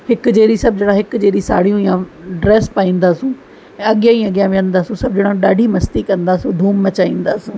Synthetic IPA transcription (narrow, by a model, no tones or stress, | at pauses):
hɪkd͡ʒeːɾiːsɐb̚d͡ʒeːɽaːɦɪkd͡ʒeːɾiːsaːɽijũːɪjãːɖɾɛːspaːĩːnd̪aːsũː | ɛ̃ɐɠɪjãːĩːəɡjãːʋə̃nd̪aːsũːsɐb̚d͡ʒeːɽaːɗaːɖʱiːmɐst̪iːkə̃nd̪aːsũːd̪ʱuːmːət͡ʃaːĩːnd̪aːsũː